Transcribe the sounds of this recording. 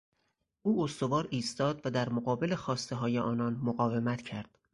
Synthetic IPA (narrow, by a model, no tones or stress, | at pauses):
ʔuːost̪o̞vɒːɾiːst̪ɒːd̪væd̪æɾmoɣɒːbe̞le̞xɒːst̪e̞ɦɒːjeʔɒːnɒːnmoɣɒːve̞mæt̪ʰcʰæɾd̪̥